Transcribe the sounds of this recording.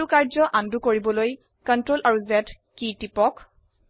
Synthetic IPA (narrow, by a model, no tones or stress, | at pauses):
ukaɹzɔʔandukoɹibɔloj | kɔntɹolaɹuzɛt | kitipɔk